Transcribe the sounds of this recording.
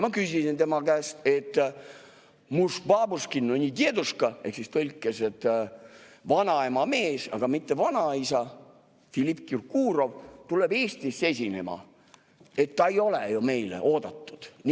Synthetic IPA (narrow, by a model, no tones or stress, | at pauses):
mɑkysʲisint̪e̞mɑkæːst̪e̞t̪ːˑ | musbɑːbuskinːonʲit̪ʲied̪uskɑe̞ksist̪olʲkːˑeset̪ː | vɑnɑemɑme̞ːsɑ̰ɡ̥ɑmit̪ːe̞vɑnɑisɑ | filʲipːjurkuːɾo̞vt̪uleb̥e̞ːsʲt̪ise̞sʲine̞̰mɑ̰ | e̞t̪ːɑejo̞lejume̞jlḛʔoːd̪ɑt̪ːu̥d̪̥n